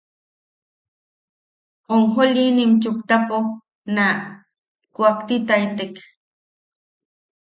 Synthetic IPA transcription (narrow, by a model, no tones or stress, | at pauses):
oŋxolinimt͡ʃʊkt̪apo | na | kwakt̪it̪ajt̪ek